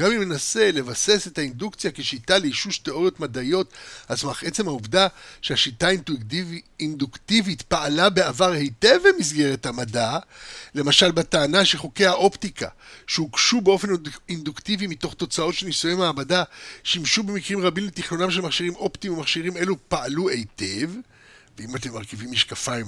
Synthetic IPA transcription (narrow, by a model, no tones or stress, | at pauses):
ɡamime̞nase̞le̞vase̞se̞thaindukt͡sjakeʃitaleiʃuʃteʔo̞ʁjo̞tmadajo̞tat͡smaχʔet͡se̞mhauvdaʃeaʃitain | induktivitpaːlabe̞avaʁhejt̪evemizɡe̞ʁethamadale̞maʃalbataːnaʃeχo̞ke̞haʔo̞ptika̰ʃeukʃubeo̞fe̞nind̪uktivimito̞χt̪o̞t͡sao̞tʃenisujemaːbadaʃimʃube̞mikʁimʁabimlet̪iχnonamʃ̬elmaχʃiʁimʔo̞ptimumaχʃiʁime̞lupaalue̞jte̞v | veimat̪emːaʁkivimːiʃkafaj